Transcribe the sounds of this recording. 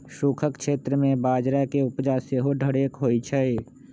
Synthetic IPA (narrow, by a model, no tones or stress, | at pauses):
ʃuːkʰəkʃeːt̪ɾəmẽbaːd͡ʒɾakeʊpd͡ʒaseɦoɖʱəɽeːkɦoːit͡ʃʰɛe